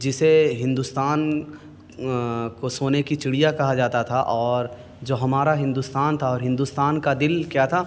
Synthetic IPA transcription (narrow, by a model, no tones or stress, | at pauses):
d͡ʒɪseɦɪ̃nd̪ust̪aːn | kosoːnekit͡ʃɪɽijakɐɦad͡ʒaːt̪at̪ʰaʔɔːɾ | d͡ʒoːɦɐmaːɾaɦɪ̃nd̪ust̪aːnt̪ʰaɔːɾɦɪ̃nd̪ust̪aːnkad̪ɪlkjaːt̪ʰa